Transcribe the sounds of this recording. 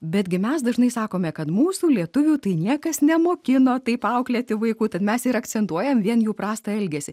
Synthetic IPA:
bʲɛd̪ʲɡʲɪmʲɛsd̪ɐʒnɐɪsɑːkoːmʲɛkɐt̪muːsuːlʲiɛt̪ʊʋʲuːt̪ɐɪnʲiɛkɐsnʲɛmoːkʲɪnoːt̪ɐɪpɐʊklʲɛːt̪ʲɪʋɐɪkuːt̪ɐt̪mʲɛsɪɾɐkt͡s̪ʲsʲɛnt̪uɔjɛmʋʲiɛnjuːpɾɑːst̪ɐɛlʲɡʲɛsʲɪ

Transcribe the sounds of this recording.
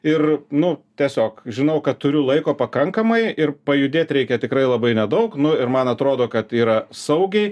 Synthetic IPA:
ɪrnʊt̪ʲiɛsʲoːkʒʲɪnɐʊkɐt̪̚t̪ʊɾʲʊlˠɐɪkoːpɐkɐŋkɐmɐɪɪrpɐjʊd̪ʲeːt̪ʲɾʲɛɪkʲɛt̪ʲɪkɾɐɪlˠɐbɐɪnʲɛd̪ɐʊknʊɪrmɐnɐt̪ɾoːd̪oːkɐt̪iːɾɐssɐʊɡʲɛɪ

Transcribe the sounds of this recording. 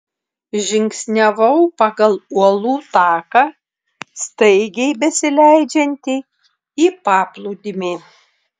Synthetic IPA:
ʒʲɪŋʲksʲnʲɛʋɐʊpɑɡɐlˠuɔlˠuːt̪ɑːkɑ | st̪ɐɪɡʲɛɪbʲɛsʲɪlʲæɪd͡ʒʲɛnʲt̪ʲɪ | iːpɑːplˠud̪ʲɪmʲeː

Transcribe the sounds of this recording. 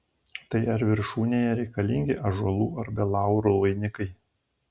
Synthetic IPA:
t̪ɐɪɐɾʋʲɪɾʃuːnʲeːjɛɾʲɛɪkɐlʲɪŋʲɡʲɪʔɐʒʊɐlˠuːɐɾbʲɛlˠɑˑʊɾuʋɐɪnʲɪkɐɪ

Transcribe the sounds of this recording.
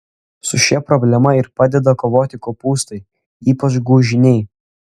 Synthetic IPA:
sʊʃʲɛpɾɔbʲlʲɛmɐɪɾpɑːd̪ʲɛd̪ɐkoːʋoːt̪ʲɪkoːpuːst̪ɐɪ | iːpɐt͡ʃɡuːʒʲɪnʲɛɪ

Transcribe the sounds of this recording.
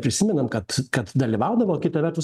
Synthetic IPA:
pʲɾʲɪsʲɪmʲɛnɐmkɐt̪kɐt̪d̪ɐlʲiʋɑʊd̪ɐʋoːkʲɪt̪ɐʋʲɛɾt̪ʊs

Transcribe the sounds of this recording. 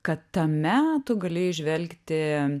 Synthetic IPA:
kɐt̪t̪ɐmʲæːt̪ʊɡɐlʲɪɪʒʲʋʲɛlʲkt̪ʲɪ

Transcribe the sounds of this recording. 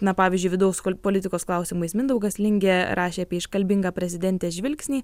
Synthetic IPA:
nɐpɑːʋʲizʲd͡ʒʲʊɪʋʲɪd̪ɐʊspoːlʲɪt̪ʲɪkoːsklˠɑʊsʲɪmuɐɪsmʲɪnd̪ɐʊɡɐslʲɪŋʲɡʲeːɾʔɑːʃʲeːɑːpʲiɛɪʃkɐlʲbʲɪŋɡɑːpʲɾʲɛzʲɪd̪ʲɛnʲt̪ʲeːʒʲʋʲɪlʲksʲnʲiː

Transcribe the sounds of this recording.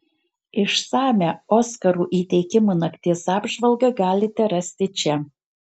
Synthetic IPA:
ɪʃsɑːmʲæoːskɐɾuːʔiːt̪ʲɛɪkʲɪmunɐkt̪ʲeːsɑːbʒʋɐlˠɡɐɡɑːlʲɪt̪ʲɛɾɐsʲt̪ʲɪt͡ʃʲɛ

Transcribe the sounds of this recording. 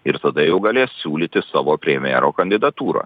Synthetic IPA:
ɪɾt̪ɐd̪ɐjɛʊɡɐlʲeːssʲuːlʲiːt̪ʲɪsɑːʋoːpʲɾʲɛmʲjḛːɾoːkɐnʲd̪ʲɪd̪ɐt̪uːɾɐ̰ː

